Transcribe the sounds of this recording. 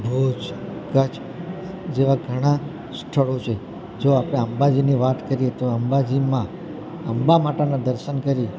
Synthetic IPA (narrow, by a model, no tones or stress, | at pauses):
bʱud͡ʒkət͡ʃ | d͡ʒeʋaɡʱəɽ̃a | sʈ̪ʰəɭot͡ʃʰe | d͡ʒoapəɽ̃eəmbad͡ʒiniʋat̪kəɾiet̪oəmbad͡ʒimã | əmbamaʈanad̪əɾʃənkəɾi